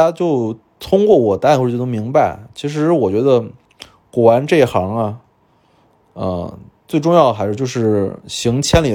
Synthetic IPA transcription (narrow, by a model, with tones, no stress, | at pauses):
ja˥t͡ɕjo˥˩ʊ | t̪ʰʊ˥ŋkwɔ˥˩wɔ˨˩t̪a˥˧n˥xo˥˩˥mi˧˥ŋba˧ɪt͡ɕʰi˧˥ʂ̬ɻ̩˧˥wɔ˨˩t͡ɕɥɛ˧˥d̪ə˧ | kwɔ˨˩wa˧˥nʈ͡ʂe˥˩i˧˥xɑ˧˥ŋɐ˧ | ə̰˧ | t͡swe˥˧ɪʈ͡ʂʊ˥˧ŋjɑ˥˩ʊd̪ə˩xa˧˥ɪʂɻ̩˧jo˥˧ʊʂɻ̩˥˩ɕi˧˥ŋt͡ɕʰjɛ˥nli˨˩